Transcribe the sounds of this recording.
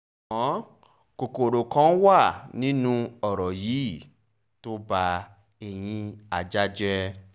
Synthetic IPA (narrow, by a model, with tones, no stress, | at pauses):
ɔ̃˨˦ | ko˨ko˨ɾo˨kã˨˦wa˦˨nĩ˦nũ˧ɔ˨ɾɔ˨ji˨˦˨ | to˦ba˧ | e˧˨j̃ĩ˧a˨d͡ʒa˦d͡ʒɛ˧